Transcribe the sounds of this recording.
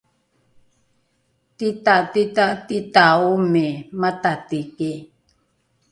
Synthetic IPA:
tit̪at̪it̪atit̪aumemat̪at̪ike

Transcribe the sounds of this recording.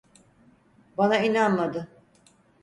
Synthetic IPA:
banainanmad̪ɯ

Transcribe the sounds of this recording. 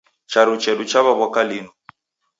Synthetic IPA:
t͡ʃaɾut͡ʃɛɗut͡ʃaβaβakalinu

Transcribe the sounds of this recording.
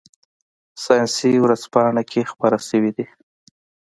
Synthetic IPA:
sɑjɑnsiwɾazpɑɳakʰexpɑɾaʃəwid̪i

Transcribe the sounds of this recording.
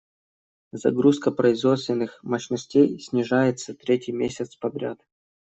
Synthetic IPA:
zɐ̰ɡɾuskəpɾəɪzvo̞t̪st̪vʲɪnːɨxmɐɕnɐsʲtʲejsʲnʲɪʐajɪt̪sət̪ɾʲetʲɪjmʲesʲɪt̪spɐd̪ɾʲa̰t̪

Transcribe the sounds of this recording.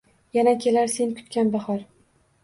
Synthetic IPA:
janakʲʰe̞laɾse̞nkʰʊ̥t̪kʲanbahɒɾ

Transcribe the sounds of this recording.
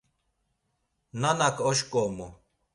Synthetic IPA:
nanakʰɔʃkʼɔmɔ

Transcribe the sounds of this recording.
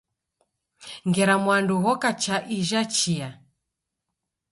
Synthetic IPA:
ŋɡɛɾamwanduɦɔkat͡ʃaʔiʒat͡ʃia

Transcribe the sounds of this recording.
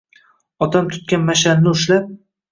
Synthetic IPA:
ɒt̪ʰamt̪ʰʊ̥t̪̚kʲanmaʃalnɪʊʃlap̚

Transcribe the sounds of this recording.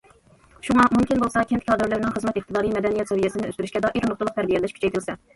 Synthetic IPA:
ʃuŋɑmumkʲʰinbolˠsɑkʲʰɪnt̪kʲʰɑd̪ɨɾlɪɾnɪŋχəzmɛt̪eχt̪ʰɨd̪ɑːɾijmɛd̪ɛnijɛt̪sɛvijɛsɪnɪøst̪yɾyʃkʲɛd̪ɑʔiɾnoχt̪ʊlˠʊq̚t̪ʰæɾbijɛlɛʃkʰʲy̥t͡ʃʰɛjt̪ʰlsɛ

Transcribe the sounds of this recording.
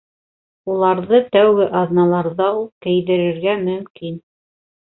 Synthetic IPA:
ulˠɑɾðɤt̪æwɡɘʔɑðnɑlˠɑɾðɑulˠkɘ̆jðɘ̆ɾɘ̆ɾɡæmɵ̆mkin

